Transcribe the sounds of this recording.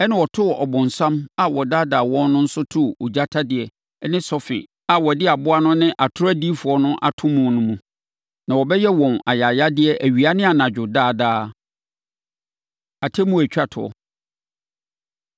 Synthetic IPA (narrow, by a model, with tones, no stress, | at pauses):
ɛ˦nɪ̃˦wɔ˨tʰʊ˦wɔ˨ʔɔ˨bʊ̃˨n̩˨sã˦ma˨wɔ˨daː˦daː˨wɔ̃˦nː˦ʊ̃˦n̩˦sʊ˦tʰʊ˦˨ʊ˨d͡ʑa˦tʰa˦dɪ˨ɛ˨˦ | nɪ̃˦sɔ˦fɪ̰˨ | a˨wɔ˨dɪ˦a˨bʊ˦a˦nʊ̃˦nɪ̃˦ʔa˨tʰʊ˦ɾæ˦di˦fʊ˨ɔ˨nʊ̃˦ʔa̰˨tʰʊ̃˦mũ˨nʊ̃˦mũ˨ | nã˨wɔ˨bɛ˦jɛ˦wɔ̃˨na̰˨ja˨ja˦dɪ˦ɛ˦ʔæ˨ɥi˨a˦nɪ̃˦a˨nã˨d͡ʑᶣʊ˨daː˦˨daː˦ | a˨tʰɛ˦mũ˦æ˨t͡ɕᶣa˨tʰʊ˨ɔ̰˨